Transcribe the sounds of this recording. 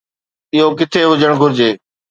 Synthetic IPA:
ɪɦoːk̬ɪt̪ʰeːɦʊd͡ʑəɽ̃ɡʱʊɾɪd͡ʑeː

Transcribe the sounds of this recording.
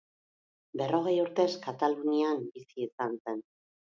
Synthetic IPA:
be̞ro̞ɣ̞e̞juɾt̪e̞skat̪aluniambisiːsanse̞n

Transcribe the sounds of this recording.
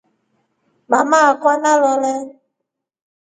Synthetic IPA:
mamakanalɔlɛ

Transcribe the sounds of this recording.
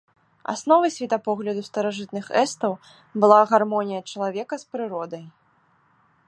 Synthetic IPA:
a̰snɔvɐsʲvʲɛt̪apɔɣlʲɐd̪ust̪ɐɾaʐɨt̪̚nɨxɛst̪ɐw | bɨlˠaɣarmɔnʲijɐt͡ʂɐlˠavʲɛkɐspɾɨɾɔd̪ɐj

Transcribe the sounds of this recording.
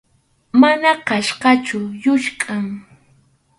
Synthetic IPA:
manakaʃqɑt͡ʃʊjʊʃkʼaŋ

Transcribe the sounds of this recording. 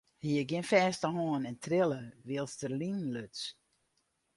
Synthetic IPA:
hiəɡjɪnfɛːstəhoːənɛntʰrɪləʋiəlˠstərlinløts

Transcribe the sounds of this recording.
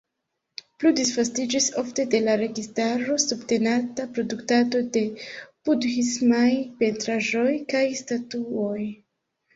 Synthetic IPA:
pludisfastid͡ʒiso̞fte̞de̞laɾe̞ɡistaɾo̞subte̞natapɾo̞duktado̞de̞pudhismajpe̞ntɾaʒo̞jkajstatuo̞j

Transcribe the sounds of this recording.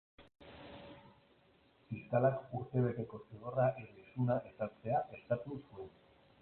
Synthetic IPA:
fiskalakuɾt̪e̞β̞e̞t̪e̞ko̞siɣo̞raʔeisunaʔe̞saɾt͡se̞aʔe̞st̪at̪usue̞n

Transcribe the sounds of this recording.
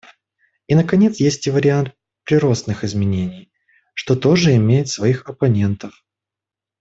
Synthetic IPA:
inəkɐnʲe̞t̪sjesʲtʲɪvəɾʲɪant̪̚ | pɾʲɪɾo̞snɨxɪzmʲɪnʲenʲɪj | ʂt̪o̞t̪o̞ʐɨɪmʲejɪt̪svɐixɐpɐnʲe̞nt̪əf

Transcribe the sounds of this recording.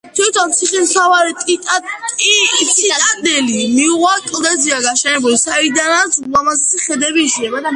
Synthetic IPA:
t̪ʰwit̪ʰɔnt̪sʰiχʼimt̪ʰavaɾit̪ʼit̪ʼaisʰianɛlimiuʁakʼlˠd̪ɛziaɡaʃɛnɛbulisaid̪anat̪slamazɛsiχɛd̪ɛbiːʃiɛmad̪a

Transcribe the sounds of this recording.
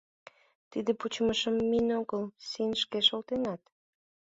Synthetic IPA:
t̪id̪eput͡ɕməʃəmːinoɣəlsinʃkeʃolt̪enɑt̪

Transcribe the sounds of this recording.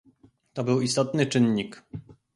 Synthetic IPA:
t̪ɔbɘwist̪ɔt̪nɘt͡ʂɘnɲik

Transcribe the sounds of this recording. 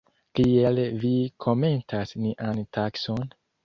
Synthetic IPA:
kielvikʰo̞me̞ntʰasniʔantʰakso̞n

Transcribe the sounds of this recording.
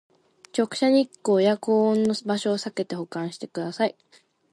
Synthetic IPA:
t͡ɕo̞kɯ̟̥ɕaɲ̟ikːo̞ːjakõːnːo̞baɕo̞ːsake̞t̪e̞ho̞kãɰ̃ɕi̥t̪e̞kɯ̟d̪asai

